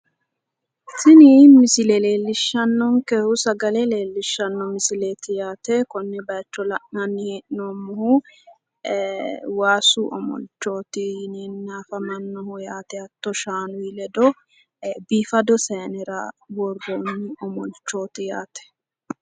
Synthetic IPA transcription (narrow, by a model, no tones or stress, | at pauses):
sɪnɪmɪsɪlɛle̞ːlːɪʃːɐnːɔŋkɛhʊsɐɡɐlɛle̞ːlːɪʃːɐnːɔmɪsɪleːt̪ɪjaːt̪ɛkɔnːɛbɐjt͡ʃːɔlɐʔnɐnːɪheʔɪnoːmːʊhʊ | waːsuʔɔ̰mɔ̰lt͡ʃːo̞ːt̪ɪnɛnnaːfɐmɐnːɔhʊjaːt̪ɛɐt̪ːɔʃaːnʊɪlɛd̪ɔ | biːfɐd̪ɔsɐjɐnɛɾɐ̰wɔɾɡonːɪɔmɔlt͡ʃːo̞ːt̪ɪja̰ːt̪ɛ̥